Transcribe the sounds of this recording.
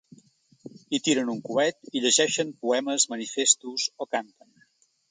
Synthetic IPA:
it̪iɾənuŋkuɛt̪iʎəʒɛʃənpuɛməzmənifest̪uzokant̪ən

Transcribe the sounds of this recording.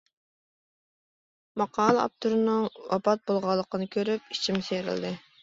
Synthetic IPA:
mɑqʰɑːlˠəɑ̰p̚t̪ʰuɾɨnɨŋwʔɑ̰pɑt̪̚bolˠʁɑlˠːəqənɨkʲʰøɾyp̚it͡ʃʰimseɾɪ̰ld̪ɪ

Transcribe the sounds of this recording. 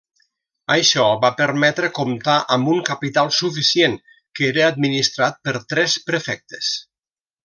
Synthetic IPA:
əjʃɔβapəɾmɛt̪ɾəkomt̪aʔəmbuŋkapit̪alˠsufisjeŋ | keɾəad̪̚minist̪ɾat̪̚pəɾt̪ɾɛspɾəfɛk̚t̪e̥s

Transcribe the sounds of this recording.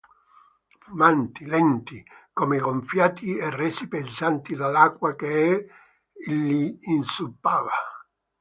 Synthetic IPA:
fumant̪ilɛnt̪ikɔmeɣoɱfjaːt̪iɛrːɛːsipensant̪id̪alːakwakeɛ | lːiːnsupːaːva

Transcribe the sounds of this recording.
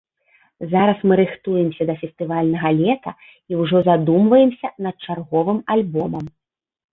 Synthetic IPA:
zaɾɐsmɨɾɨxt̪ujɛmsʲɐd̪ɐfʲɛst̪ɨvalʲnɐɣɐlʲɛt̪ɐ | iwʐɔzad̪umvɐjɛmsʲɐnɐt̪̚t͡ʂarɣɔvɨmalʲbɔmɐm

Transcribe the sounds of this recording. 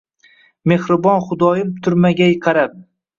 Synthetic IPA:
me̞hɾɪbɒnχʊd̪ɒjɪmt̪ʰʊɾmaɡʲajqʰɑɾap̚

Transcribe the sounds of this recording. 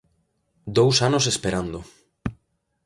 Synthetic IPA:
d̪owsanos̬espeɾand̪ʊ

